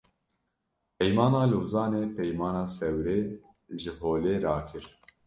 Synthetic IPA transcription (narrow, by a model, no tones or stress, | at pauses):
pɛjmɑːnɑːluːzɑːneːpɛjmɑːnɑːsɛwɾeː | ʒɨɦoːleːɾɑːkʰɨɾ